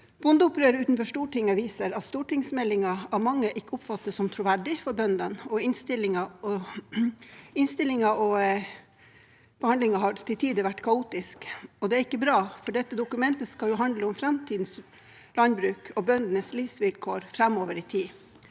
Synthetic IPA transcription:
b̥ʊnd̪əʊpɾøːɾəʉːt̪n̩fɔʂʈuːʈɪŋɑʋiːsəɾɑt̪st̪uːʈɪŋsmɛlːɪŋɑæɾmɑŋːəʔɪkːəʊpfɑt̪ːəsɔmt̪ʰɾʊʋæɖɪfɔɾbœnd̪ənɔɪnst̪ɪlɪŋɑɔ | ɪnst̪ɪlːɪŋɑʔɔ | b̥əhɑnd̪lɪŋɑɦɑɾʈ̪ʰɪlt̪ʰiːd̪əʋæʈːkʰɑuːt̪ɪskɔd̪ɛæɾɪkːəbɾɑːfɔɖɛt̪ːəd̪ʊkʉmɛnt̪əskɑljʊɦɑnd̪ləʊmfɾɛmt̪ʰiːd̪n̩s | lɑnbɾʉːkʰɔbœnd̪ənəsliːfsʋɪlkʰoːɾfɾɛmoːʋəɾɪt̪ʰiː

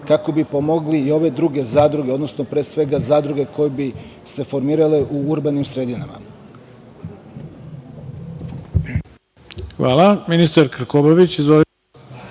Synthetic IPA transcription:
kako̞bipo̞mo̞ɡliio̞ʋe̞d̪ɾuɡe̞zaːd̪ɾuɡeo̞d̪no̞snopɾe̞ːsʋe̞ɡazaːd̪ɾuɡe̞ko̞jebi | se̞fo̞ɾmiːɾaleʔuuɾbanimsɾed̪inama̰ | xʋa̰ːlˠaminist̪aɾkɾ̩koboʋit͡ɕizʋo

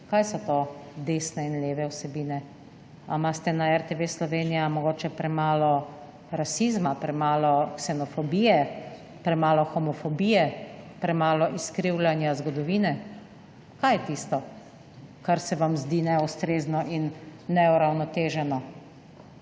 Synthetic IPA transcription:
kajsɔt̪oːd̪eːsnɛinleːʋɛwsɛbiːnɛ | amast̪ɛnaɛɾt̪eʋeslɔʋeːnijamɔɡoːt͡ʃɛpɾɛmaːlɔ | ɾasiːzmapɾɛmaːlɔksɛnɔfɔbiːjɛ | pɾɛmaːlɔxɔmɔfɔbiːjɛpɾɛmaːlɔʔiskɾiwlanjazɡɔd̪ɔʋiːnɛ | kajɛt̪ist̪ɔ | kaɾsɛʋamzd̪iːnɛust̪ɾeːznɔʔinːɛuɾawnɔt̪eːʒɛnɔ

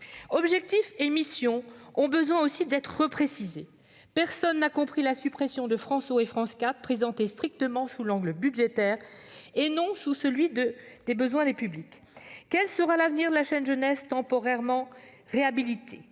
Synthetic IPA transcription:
ɔbʒɛk̚t̪ifemisjɔ̃ɔ̃bəzwɛ̃osid̪ɛt̪χəʁəpχesize | pɛʁsɔnːakɔ̃pχilasypχesjɔ̃d̪əfχɑ̃soefχɑ̃skapχezɑ̃t̪est̪χik̚t̪əmɑ̃sulɑ̃ɡləbyd̪ʒet̪ɛːʁenɔ̃susəlɥid̪əd̪̥ebəzwɛ̃d̪epyblik | kːɛlsəʁalavniʁd̪əlaʃɛnʒənɛst̪ɑ̃pɔʁɛʁmɑ̃ | ʁeabilit̪ʰe

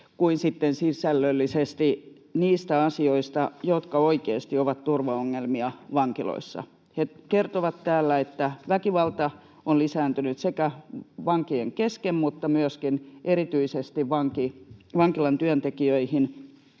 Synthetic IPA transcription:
kuinsit̪ːensisælːølːisest̪i | niːst̪æɑsioist̪ɑjot̪kɑoikeːst̪ioʋɑt̪t̪urʋɑoŋːelmiɑʋɑŋkilo̰isːɑ̰ | hekert̪oʋɑt̪tæːlːæet̪ːæʋækiʋɑlt̪ɑ | onlisæːnt̪ynyt̪sekæʋɑŋkieŋkeskemmut̪ːɑmyøskinʔeɾit̪yisest̪iʋʋɑŋkiʋɑŋkilɑnt̪yønt̪ekiøihin

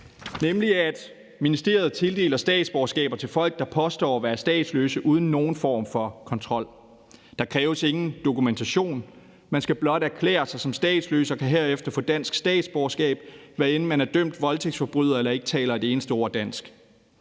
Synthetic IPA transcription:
nemliæd̥ | minisd̥e̝ːɐð̞̩ˠt͡sʰe̝ld̥e̝ːlɐsd̥ɛ̰ːd̥sb̥ɒsɡ̥ɛ̰ːb̥ɐt͡sʰe̝lfɒ̽l̰ɡ̥̚d̥ɑ̈pʰɒ̽sd̥ɒ̰ːɒʋæːɐsd̥ɛ̰ːd̥slø̰ːsəʔuːð̞ˠn̩ːo̝ːn̩fɒ̰ːmfɒ̽kʰɒ̽nt͡sʰʁɒ̽l̰ | d̥ɑ̈kʰʁɛːʊəse̝ŋn̩d̥o̝kument͡sʰæɕo̝̰ːn | mænsɡ̥æb̥lɒ̽d̥æɐkʰlḛːɐsɑ̈ɪsɒ̽msd̥ɛ̰ːd̥sløːsɐkʰæɦeɐ̰efd̥ɐfɔ̽d̥æn̰sɡ̥sd̥ɛ̰ːd̥sb̥ɒːsɡ̥ɛ̰ːb̥ʋæenn̩mænæɐd̥œm̰d̥ʋɒ̽lt͡sʰe̝ɡ̥sfɒ̽b̥ʁyð̞̰ˠɐelɐe̝ɡ̥ə̥t͡sʰɛ̰ːlɐæd̥e̝eːnəsd̥əo̝ːɐ̰d̥æn̰sɡ̥

